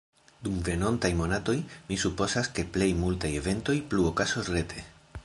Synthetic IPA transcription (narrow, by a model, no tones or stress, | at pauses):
dumve̞no̞ntajmo̞nato̞jmisupo̞zaske̞ple̞jmultaje̞ve̞nto̞jpluokaso̞sre̞tʰe̞